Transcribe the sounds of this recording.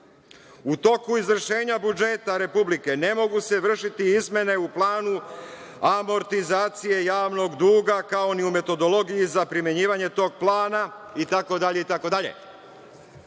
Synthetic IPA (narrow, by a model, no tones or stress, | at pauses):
ut̪o̞kuizʋr̩ʃe̞ːɲabud͡ʒe̞t̪aɾe̞publike̞ne̞mo̞ɡuse̞ʋr̩ʃit̪iizme̞ne̞uplaːnu | amo̞ɾt̪izaːt̪sije̞jaːʋno̞ɡd̪uːɡakao̞niume̞t̪o̞d̪o̞lo̞ɡijizapɾime̞ɲiːʋaɲe̞t̪o̞ːɡ̚plˠaːnait̪ako̞d̪aʎe̞it̪ako̞d̪aʎḛ